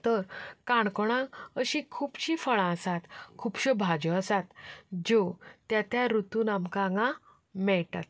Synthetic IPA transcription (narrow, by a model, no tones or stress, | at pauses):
t̪əɾkãɳkɔɽ̃ãəɕĩkʰuːpɕifəɭãəsat̪kʰuːpɕəbʱad͡ʑɔəsat̪d͡ʑot̪jat̪jaɾut̪uːnamkãŋɡã | mɛɭʈat̪̚